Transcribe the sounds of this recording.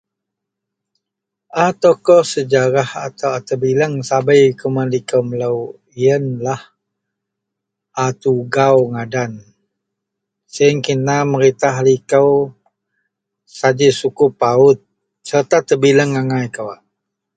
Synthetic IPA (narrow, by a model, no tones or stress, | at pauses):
ʔat̪okɔsəd͡ʒaɾaha̰t̪awat̪əbiləŋsabəjikumanlikəwmələw | iənlah | ʔat̪uɡawŋadan | səəŋkinaməɾit̪aɦalikəw | sad͡ʒisukʊpaʊt̪̚ | sərt̪at̪əbiləŋːaŋajkəwaʔ